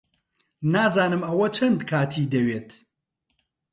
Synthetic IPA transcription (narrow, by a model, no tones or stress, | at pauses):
naːzaːnɨmɐwɐt͡ʃʰɐnd̪kʰaːt̪ʰiːd̪ɐweːt̪